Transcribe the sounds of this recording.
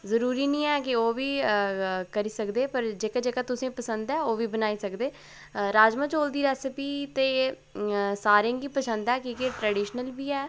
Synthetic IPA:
zəɾuːɾiːnĩːɛːkɪoːʋiː | kəɾiːsəkd̪eːpəɾd͡ʒeːkad͡ʒeːkaːt̪ʊsẽːpəsənd̪ɛːoːʋiːbənaːiːsəkd̪eː | ɾaːd͡ʒmə̃t͡ʃoːld̪iːɾɛːsəpiːt̪eː | saːɾẽŋɡiːpəsə̃nd̪ɛːkiːkeʈɾɛːɖiːʃnəlbiːɛː

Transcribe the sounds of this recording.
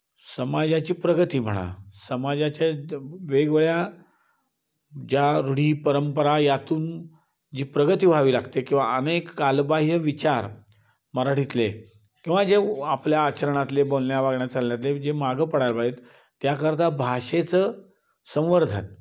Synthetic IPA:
səmad͡ʑat͡ɕiːpɾəɡət̪iːm̤ə̰ɽ̃a̰səmad͡ʑat͡ɕjaʋeɡʋɭja | d͡ʑjaɾuɽ̤iːpəɾəmpəɾajat̪uːn | d͡ʑiːpɾəɡət̪iːbʱaʋiːlaɡt̪ekĩw̃ʋa̰ənekːalbaɦiəʋit͡ɕaɾ | məɾaʈit̪le | kĩw̃ʋad͡ʑeapljaːt͡ɕəɾəɳ̃at̪lebolnjaʋaɡɳjat͡salnjat̪̬led͡ʑemaɡəpəɽajlpaet̪ː | jakəɾt̪abʱaʂet͡səː | sə̃w̃ʋəɾd̪ʱə̰n

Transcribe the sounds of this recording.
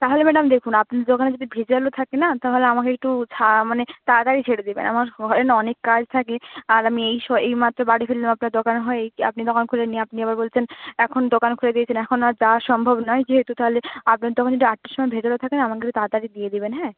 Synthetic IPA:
t̪aɦolemɛɖamd̪ekʰunapnaɾd̪okaned͡ʑod̪ibʱed͡ʑalot̪ʰakenat̪aɦoleamakeek̚ʈut͡ɕʰamanet̪ad̪aɾit͡ɕʰeɽed̪ibḛna̰maɾɡʱɔɾenɔnekːad͡ʑt̪ʰakeaɾamiejʃɔejmat̪ːɾobaɽifʰillamapnaɾd̪okanɦɔeeja̰pnid̪okankʰuleniapniebaɾbolt͡ɕʰenɛkʰond̪okankʰuled̪iet͡ɕʰenɛkʰonaɾd͡ʑaʃɔmbʱobnɔed͡ʑeɦet̪ut̪aɦoleapnaɾd̪ɔkʰnd͡ʑod̪iaʈːiɾʃɔmɔebʱed͡ʑalot̪ʰakenaamakeut̪ad̪aɾid̪ied̪ibenɦɛ

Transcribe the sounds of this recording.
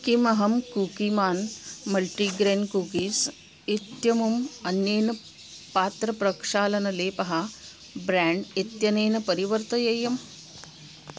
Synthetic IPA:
kimɐɦɐmkuːkimaːnmɐlʈiɡɾeːnkuːkiːs | it̪jɐmumɐnjeːnɐ | paːt̪ɾɐpɾɐkʂaːlɐnɐleːpɐɦɐ | bɾaːɳɖit̪jɐneːnɐpɐɾiʋɐɾt̪ɐjɐjɐm

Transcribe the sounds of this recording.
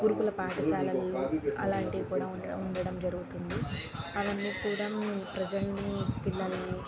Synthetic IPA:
ɡuɾupulɐpaːʈɐsaːlɐlːoːɐ̰laːɳʈiɡikuːɽaːuuɳɖɐɽɐmd͡ʒɐɾuɡut̪und̪i | ɐʋɐnːiːkuːɽaːmpɾɐd͡ʒɐlnip̪ilːɐlɐni

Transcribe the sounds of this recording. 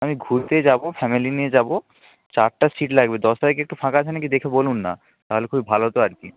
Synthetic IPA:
amiɡʱuɾt̪ed͡ʑabofʰɛmilinied͡ʑabo | t͡ɕaɾʈasiʈlaɡbed̪ɔst̪aɾikeek̚ʈufʰãkat͡ɕʰenakid̪ekʰebolunːa̰ | t̪aɦolekʰubibʱaloot̪oaɾki

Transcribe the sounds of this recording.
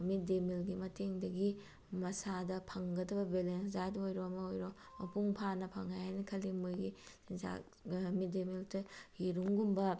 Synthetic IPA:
mit̚demilɡimɐteŋdɐɡi | mɐsadɐpʰɐŋɡɐdɐbɐbelenszajdɐojɾomɐojɾo | mɐpuŋpʰanɐpʰɐŋːajanikʰɐlimojɡi | za̰ | mitdemiltɐhiɾuŋɡumbɐ

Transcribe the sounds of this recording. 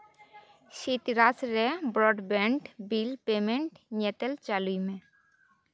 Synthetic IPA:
ʃit̪iɾasɾebɾɔːɖbeɳʈbilpeːmẽɳʈɲet̪əlt͡ʃaːluimẽ

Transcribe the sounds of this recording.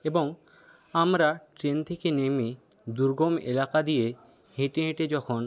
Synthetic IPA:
eboŋ | amɾaʈɾent̪ʰekenemi | d̪uɾɡomḛlakad̪ije | heʈeɦẽʈed͡ʑɔkʰon

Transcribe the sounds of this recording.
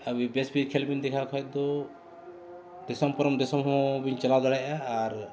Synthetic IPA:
abibɛsbiɾkʰɛlbind̪ɛkʰakʰɔjt̪̚d̪ɔ | d̪̥ɛsɔmpɔɾɔmd̪ɛsɔmɦɔ̃biɲt͡ʃalawd̪ɔɽajaːɾ

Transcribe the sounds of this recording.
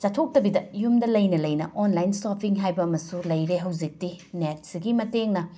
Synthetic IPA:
t͡ʃatʰok̚tɐbidɐjumdɐlɐjnɐlɐjnɐʔonlajnsopʰiŋɦajbɐːmɐsulɐjɾeɦɐwd͡ʒik̚tinet̚siɡimɐteŋnɐ

